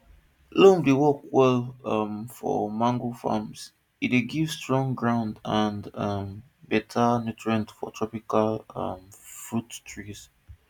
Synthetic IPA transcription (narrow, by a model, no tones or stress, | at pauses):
lõmdewɔkwɛlʌmfɔ̰mãŋɡofã̰ms | ideɡivstɹɔ̃ŋɡɹãʊ̃ndãndʌm | bɛtʰanutɹiə̃ntfɔ̰tʰɹɔpikalʌmfɹuttʰɹiz̥